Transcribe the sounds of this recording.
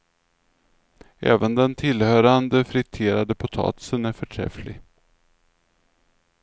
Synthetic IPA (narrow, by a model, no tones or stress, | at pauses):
ʔɛ̰ːvənd̪ɛnt̪ʰɪlhœːɾand̪əfɾɪt̪ʰeːɾad̪əpʰʊt̪ʰɑ̰ːt̪ɪ̥sənæɾfœʈʰɾɛ̰flɪ̰